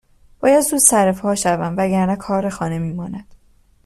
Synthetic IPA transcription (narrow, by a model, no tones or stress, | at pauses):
b̥ɒːjæd̪zuːzsæɾefhɒːʃævæmvæɟæɾnækʰɒːɾexɒːne̞miːmɒːnæd̪̥